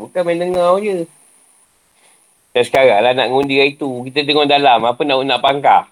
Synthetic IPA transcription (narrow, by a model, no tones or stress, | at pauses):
bukanmajndəŋɔhd͡ʒə | dansə̥kaɾalana̰ʔŋundiait̪ukit̪ətəŋɔhdalamapənaʔunaʔpaŋka̰